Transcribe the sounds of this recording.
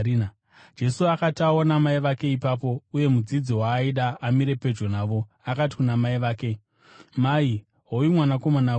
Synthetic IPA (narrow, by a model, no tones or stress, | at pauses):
d͡ʒe̞suakataonamaiʋake̞ipap̬o̞uje̞mud͡zid͡ziwaːiɗaːmiɾe̞pe̞d͡ʒo̞naːʋo̞ | akat̬i̥kunamaiʋaːke̞ | mai | ɦojimwanako̞mana